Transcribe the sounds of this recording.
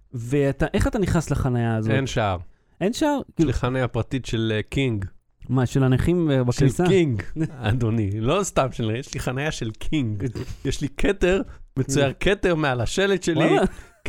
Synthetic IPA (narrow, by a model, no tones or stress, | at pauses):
veat̪aʔe̞χat̪aniχnaslaχanajaːzoenʃaaʁ | ʔenʃaaʁkiliχanajapʁat̪itʃelkiŋɡ | maʃelaneχimbakisaiŋɡad̪onilo̞st̪amʃenjeʃliχanajaʃe̞lkʰiŋɡjɛʃlikʰeteʁmet͡sujaʁkʰeteʁmealaʃeletʃelia